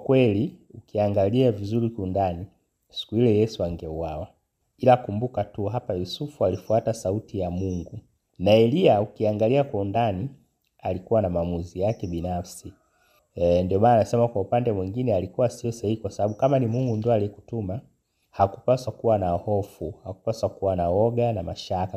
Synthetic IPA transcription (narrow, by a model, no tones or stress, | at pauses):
kwɛliukiaŋɡaliavizuɾikiundani | si̥kuilɛjɛsuaŋɡɛuwawa | ilakumbukatuɦapajusufualifuatasautijamuŋɡu | naɛliaukiaŋɡaliakwaundani | alikuwanamaːmuzijakɛɓinafsi | ndiɔmaːnaːnasɛmakwaupandɛmwiŋɡinɛalikuwasiɔsahihikwasaɓaɓukamanimuŋɡundɔaliɛku̥tuma | haku̥paswakuwanahɔfuhakupaswakuwanawɔɡanamaʃaka